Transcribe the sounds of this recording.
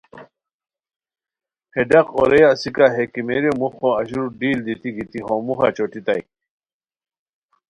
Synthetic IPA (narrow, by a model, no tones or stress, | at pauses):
heɖɐqoɾejasikaɦekimeɾemuχoɐɕuɾɖiːld̪it̪iɡit̪iɦomuχɑ̰t͡ɕoʈit̪aj